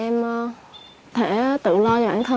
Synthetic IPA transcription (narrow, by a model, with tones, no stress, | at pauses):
ɛ˧m | t̪ʰɛ˧˩t̪ɨ̰˧˨lɔ˧t͡ɕɔ˧˩ɓaː˧˩nt̪ʰə˧